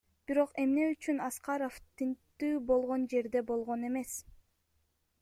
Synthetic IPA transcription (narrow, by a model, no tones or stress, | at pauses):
b̥iɾo̞qe̞mne̞yt͡ʃynɑsqɑɾoft̪int̪ːyːbo̞lˠʁo̞nd͡ʒe̞ɾd̪e̞bo̞lˠʁo̞ne̞me̞s